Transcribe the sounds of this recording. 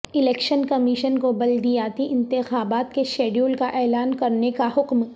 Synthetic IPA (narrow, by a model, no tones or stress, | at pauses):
ɪlɛːkʃənkɐmiʃənkobɐld̪ijaːt̪iʔɪ̃nt̪ɪxaːbaːt̪keʃeːɖjuːlkaʔɛːlaːnkɐɾnekahʊkm